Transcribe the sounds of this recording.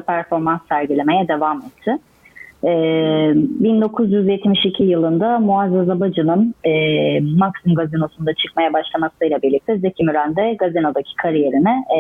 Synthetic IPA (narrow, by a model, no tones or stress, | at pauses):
pʰæɾfo̞ɾmansːæɾɟilʲe̞me̞jɛd̪e̞vamɛt̪ʰːɪ | ɛː | bind̪o̞kʰuzjyzjɛt̪miʃicʰijɯlˠɯnd̪amuazazabad͡ʒɯnɯnː | aksimɡazino̞sund̪at͡ʃʰɯkmajabaʃlˠamasɯjlˠabiɾlʲic̚t̪ʰɛzecʰimyɾænd̪ɛɡazino̞d̪acʰi̥kʰaɾije̞ɾinɪ